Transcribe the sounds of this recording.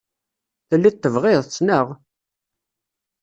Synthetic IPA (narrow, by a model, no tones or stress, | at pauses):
θəlːit̪ːəvʁɪðˤt͡sːnəʁ